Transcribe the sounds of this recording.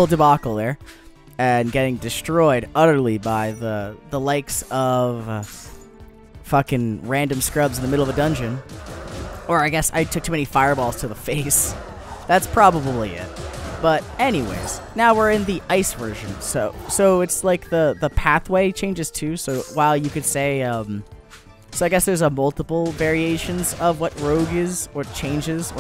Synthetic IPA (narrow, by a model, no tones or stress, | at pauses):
l̩ˠdɨbɑkl̩ˠðə˞ | ɨ̃nɡɛɾɪ̃ŋdɨstɹ̥ɔɪɾʌɾə˞lˠibaɪðəðəlaɪksʌv̥ | fʌkɨ̃ŋɹæ̃ndɨ̃m̩skɹʌbzn̩ðɨmɪɾl̩ˠʌvədʌ̃nd͡ʒɨ̃n | ə˞aɪɡɛsa̰ɪtʰʊk̚tʰʉmɛ̃nifaɪə˞bɔlˠz̥tʰɨðəfeɪs | ðætspʰɹ̥ɑbəbəbliɪ̰t̚b̥ʌɾɛñiwḛɪz̥naʊwɪɹɨ̃nðiʔaɪsvɜ˞ʒɨ̃nsoʊsoʊɨtslaɪk̚ðəðəpʰæθweɪt͡ʃʰẽɪ̃nd͡ʒɨz̥tʰʉsoʊwaɪlˠjɨkɨd̥seɪʌ̃m | soʊaɪɡɛsðə˞zəmʌlˠtəpl̩ˠvɛɹieɪʃɨ̃nzʌvwʌt̚ɹoʊɡɪzə˞t͡ʃʰẽɪ̃nd͡ʒɪzə